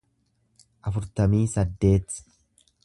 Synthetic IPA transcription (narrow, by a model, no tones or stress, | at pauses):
ʔɐfʊɾt̪ɐmiːsɐd̪ːe̞ːt̪